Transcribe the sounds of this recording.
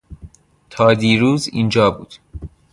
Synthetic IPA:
t̪ʰɒːd̪iːɾuːzḭːnd͡ʒɒːbuːd̪̥

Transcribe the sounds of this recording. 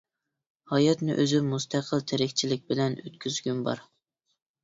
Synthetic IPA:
hɑjɑt̪nɪʔøzɪmust̪ʰæqʰəlˠt̪ʰeɾɪkʲt͡ʃʰilɪk̚ʲbɪlɛnø̰t̪̚kʲʰyzɡʲynbɑ̰ɾ

